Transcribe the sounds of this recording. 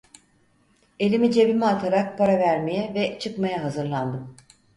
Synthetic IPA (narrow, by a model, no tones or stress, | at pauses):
e̞lʲimid͡ʒe̞bimaat̪ʰaɾak̚pʰaɾavæɾme̞jɛvɛt͡ʃʰɯkmajaɦazɯɾlˠand̪ɯm